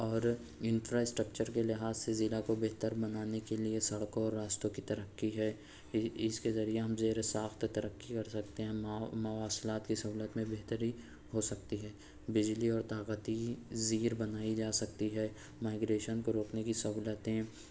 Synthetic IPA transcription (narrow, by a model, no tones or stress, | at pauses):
ɔːɾ | ɪ̃nfɾasʈɾəkt͡ʃəɾkelɪɦaːzsezɪlakobeɦt̪əɾbɐnaːnekeliesɐɽkõɔːɾːaːst̪õkit̪ɐɾəkːiɦɛː | ɪskezɐɾieɦɐmzeːɾesaːxt̪t̪ɐɾəkːikɐɾsɐk̚t̪eɦɛ̃ːmɐʋaːslaːt̪kisɐɦuːlət̪mẽbeɦt̪əɾi | ɦosɐk̚t̪iɦɛː | bɪd͡ʒliɔːɾt̪aːqət̪iziːɾbɐnaːid͡ʒaːsɐk̚t̪iɦɛː | maːɪɡɾeːʃənkoɾoːknekisɐɦuːlət̪ɦɛ̃ː